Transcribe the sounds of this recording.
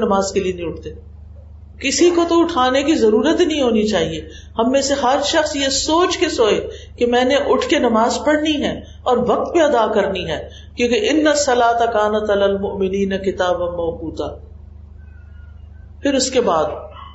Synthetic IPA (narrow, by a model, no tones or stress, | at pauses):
nɐmaːzkelienɐɦĩʊʈ̚ʰt̪eː | kɪsikot̪oʊʈʰaːnekizɐɾuːɾət̪nɐɦĩɦoːnit͡ʃaːɦie | hɐmːẽseɦɐɾʃɐxsjesoːt͡ʃkesoːekemɛ̃ːneʔʊʈʰkenɐmaːzpɐɽniɦɛː | ɔːɾʋɐk̚t̪mẽɐd̪aːkɐɾniɦɛː | kjõːkeʔɪnːɐsːɐlaːt̪akaːnɐt̪ɐlɐlmʊʔmɪniːnɐkɪt̪aːbɐmɐːkuːt̪aː | pʰɪɾʊskebaːd̪